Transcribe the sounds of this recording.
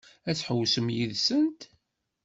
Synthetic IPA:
æt͡sːħəwːsəmjiðsənt̪

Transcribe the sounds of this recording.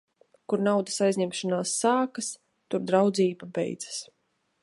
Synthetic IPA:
kuɾnawd̪ɐsajzɲɛmʃanaːsːaːkas | t̪uɾd̪ɾawd̪ziːbabɛ̰jd̪z̥ḁs

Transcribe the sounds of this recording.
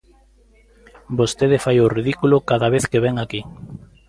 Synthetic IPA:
bost̪eð̞ɪfajoriðikulokaðaβeθkeβɛŋaki

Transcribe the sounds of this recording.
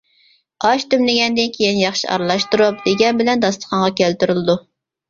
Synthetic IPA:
ɑʃt̪ymlɪɡʲɛnd̪ɪnkʲʰejinjɑχʃiʔɑ̰ɾlˠɑʃt̪uɾup̚d̪eɡʲɛnbɪlɛnd̪ɑslˠə̥qʰɑɴʁɑkʲʰælt̪yɾylˠɨd̪u

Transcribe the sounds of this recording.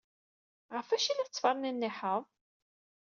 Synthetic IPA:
ʁəfæʃinæt͡sːfɑɾˤnənːiħəðˤ

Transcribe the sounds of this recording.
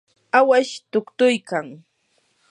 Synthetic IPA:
awaʃt̪ʊkt̪ʊjkaŋ

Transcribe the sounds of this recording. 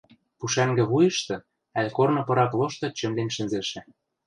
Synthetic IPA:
puʃæŋɡɘ̆βujɤ̆ʃt̪ɤ̆ | ælʲkornɤ̆pɤ̆ɾɑplˠoʃt̪ɤ̆t͡ɕɘ̆mlenʲʃɘ̆nzeʃɘ̆

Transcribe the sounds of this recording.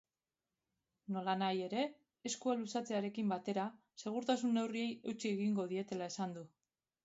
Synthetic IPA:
no̞lanaje̞ɾe̞ː | skualusat͡se̞aɾe̞kimbat̪e̞ɾa | se̞ɣ̞uɾt̪asunːe̞wrie̞je̞wt͡sie̞ɣiŋɡo̞ðie̞t̪e̞lae̞sand̪u

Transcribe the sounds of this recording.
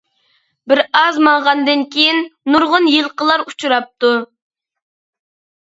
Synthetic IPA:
bɪɾɑzmɑɴʁɑnd̪ɨnkʲʰejinːuɾʁʊnjɨlˠqəlˠɑɾut͡ʃʰuɾɑp̚t̪u

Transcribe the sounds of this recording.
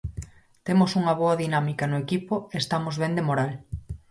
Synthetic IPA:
t̪emosuŋɐβoɐðinamikɐnʊekipoest̪amozβend̪emoɾal

